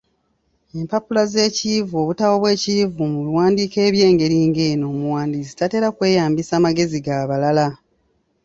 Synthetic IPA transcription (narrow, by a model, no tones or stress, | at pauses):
e̞mpapulaze̞ːcivo̞ːβutawo̞βwe̞ːcivumulwaːndiːke̞ːβje̞ːŋɡe̞ɾiːŋɡeːnoːmuwaːndizi̥tate̞ːɾakwe̞ːjaːmbisaːmaɡe̞ziɡaːβalala